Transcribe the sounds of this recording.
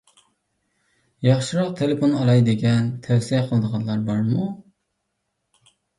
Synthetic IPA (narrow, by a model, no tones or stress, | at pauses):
jɑχʃɨɾɑq̚t̪ʰeleponɑɾɑjd̪ɪɡʲɛnt̪ʰɛwsiɛqʰəlˠəd̪əʁɑnlˠɑɾbɑɾmu